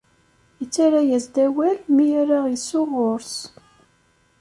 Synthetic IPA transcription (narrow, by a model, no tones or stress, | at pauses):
ət͡sːaɾajæzd̪æwælmijaɾaʁisʊʁʊɾs